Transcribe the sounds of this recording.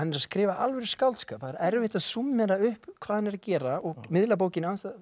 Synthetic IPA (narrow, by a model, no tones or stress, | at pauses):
hanːɛɾaðskɾɪːvaʔalvɛɾ̥skawlt̪skœːpaɾɛɾvhɪht̪aðsumːɛɾaʏhpkʰv̥aːðhanːɛɾacɛːɾaɔɣmɪðlap̬oːwcɪnanst̪a